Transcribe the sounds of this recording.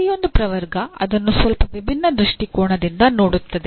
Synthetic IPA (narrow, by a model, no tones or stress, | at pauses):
jo̞nd̪upɾɐʋɐɾɡɐɐd̪ɐnːusʋɐlpɐʋibʱinːɐd̪ɾuʂʈikoːɳɐd̪ind̪ɐno̞ːɽut̪ːɐd̪e